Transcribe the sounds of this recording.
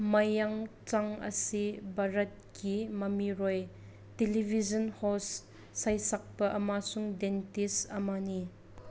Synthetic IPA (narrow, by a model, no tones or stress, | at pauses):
mɐjɐŋt͡saŋɐ̰sibɐɾɐt̚kʰimɐmiɾɔj | telibʱizɔnhɔsː | ɐjsɐk̚pɐʔɐmasuŋdentisɐmani